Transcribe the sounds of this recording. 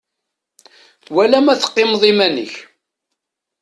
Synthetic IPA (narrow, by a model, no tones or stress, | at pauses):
wælæmæθə̥qːɪmðˤimænə̰ç